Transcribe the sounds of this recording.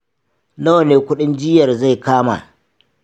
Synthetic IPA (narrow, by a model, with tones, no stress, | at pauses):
na˦wneː˨kʷʊ˦ɗɪ˦nd͡ʒɪ˦jɐ˨rza˦˨jkaː˦ma̰ː˨